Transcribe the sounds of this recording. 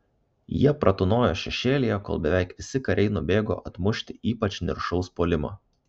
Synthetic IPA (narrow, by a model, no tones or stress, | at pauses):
jiɛpɾʔɐt̪ʊnoːjoːʃʲɛʃʲeːlʲɪjɛko̰ːlˠbʲɛʋʲɛˑɪkʋʲɪsʲɪkɐɾʲɛɪnʊbʲeːɡo̰ːʔɐt̪mʊʃʲt̪ʲɪʔiːpɐt͡ʃʲnʲɪ̰ɾʃɔʊspoːlʲɪmɑ̰ː